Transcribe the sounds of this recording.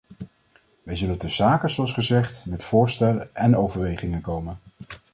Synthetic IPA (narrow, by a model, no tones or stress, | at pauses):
ʋɛjzɵləntəzaːkəzoɑlsχəzɛχtmɛtfʊːɹstɛləɛnowvəɹʋejχɪŋənkowmən